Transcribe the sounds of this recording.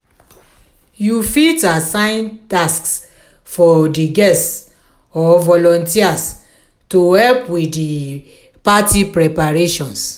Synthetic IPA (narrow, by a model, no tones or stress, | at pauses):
jufitasãɪ̃ntasks | fɔdiɡɛs | ɔvɔlɔ̃ntias | tohɛlpwidi | patipɾɛpaɹeʃɔ̃ns